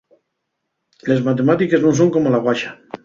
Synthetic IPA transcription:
le̞zmat̪emat̪ike̞znõnsoŋkomolaɣwaʃa

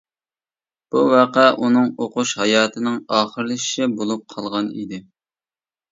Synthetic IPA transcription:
b̥uwæqæʔunɨŋoqʊʃhɑjɑːt̪ʰɪnɪŋɑːχəɾlˠɨʃʃɪbolˠup̚qʰɑlˠʁɑnḭd̪ɪ

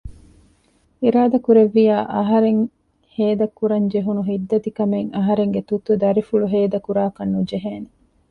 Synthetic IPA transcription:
iɾaːd̪ɐkuɾeʋːijaːʔɐɦɐɾeŋ | heːd̪ɐkːuɾɐɲd͡ʒeɦunuɦid̪ːɐd̪ikɐmeŋɐɦɐɾeŋɡet̪ut̪ːud̪ɐɾifuɭuɦeːd̪ɐkuɾaːkɐnːud͡ʒeɦeːne

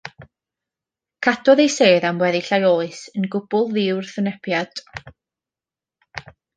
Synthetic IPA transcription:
kʰadɔðejseːðamwɛðiɬajoːɨsənɡʊb̥ʊlˠðɪwrθənɛpʰjad̥

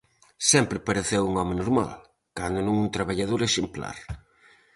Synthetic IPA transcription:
sɛmpɾɪpaɾeθewuŋɔmenoɾma̰l | kand̪ʊnũŋuŋt̪ɾaβaʎað̞oɾeʃempla̰ɾ

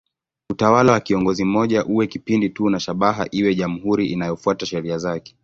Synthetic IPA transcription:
utawalawakiɔŋɡɔzim̩mɔʄaʔuwɛkipinditunaʃaɓaɦa̰ʔiwɛʄam̩ɦuɾiʔinajɔfuataʃɛɾiazakɛ̥

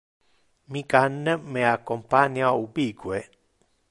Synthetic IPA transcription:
mĩkanːẽmẽakompanjaubikwe

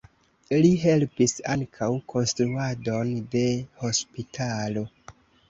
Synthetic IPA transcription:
liɦe̞lpisa̰ŋkʰawkʰo̞nstɾuado̞nde̞ho̞spitʰalo̞

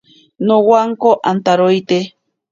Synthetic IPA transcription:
nowaŋkoʔant̪aɾojt̪e

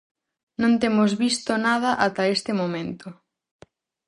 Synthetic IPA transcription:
nõnt̪emʊzβist̪onaðɐʔat̪ɐest̪ɪmomẽnt̪o

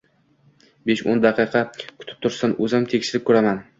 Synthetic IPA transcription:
beʃond̪ɑqʰɨqʰɑkʰʊ̥t̪ʰɪ̥p̚t̪ʰʊɾsanɵzamt̪ʰekʲʃɪɾɪp̚kʰɵɾaman

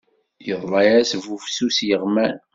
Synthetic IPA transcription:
jəðˤlˤɑjæsvufsusjəʁmæn

